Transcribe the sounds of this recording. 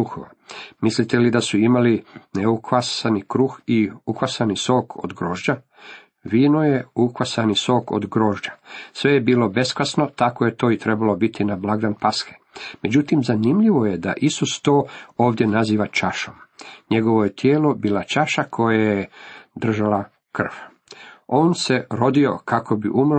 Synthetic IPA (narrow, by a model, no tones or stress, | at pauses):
uxo̰ʋa | mislit̪elid̪asuimalineukʋasanikɾuxiukʋasaniso̞ːkʰo̰d̪ɡɾoːʒd͡ʑa | ʋiːnojeukʋasaniso̞ːko̰d̪ɡɾo̞ːʒd͡ʑasʋe̞jebiːlo̞be̞skasno̞t̪akoje̞t̪o̞ːit̪ɾe̞balo̞bit̪inablˠaɡd̪anpasxe̥ | me̞d͡ʑut̪imzanimʎiʋo̞jed̪a̰ʔisust̪o̞ːoːʋd̪jenaziːʋat͡ʃaʃomɲe̞ɡo̞ʋo̞jet̪jeːlo̞biːlat͡ʃaʃakʰo̞jajed̪r̩ʒala | kr̩ʋ | o̞ːnse̞ɾo̞d̪io̞̰kako̞biʔumɾ